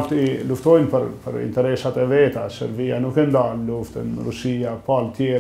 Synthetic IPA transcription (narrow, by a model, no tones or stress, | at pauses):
ɾt̪iluft̪ɔjnpəɾpə̰ɾḭnt̪ɛɾɛsat̪ɛvɛt̪asɛ̰ɾbianukɛnd̪aɾnluft̪ənɾusiapalt̪jɛ